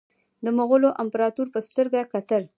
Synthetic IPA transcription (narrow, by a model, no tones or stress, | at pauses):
d̪əmoɣəloʔampɾɑt̪uɾpəst̪əɾɡakat̪əɾ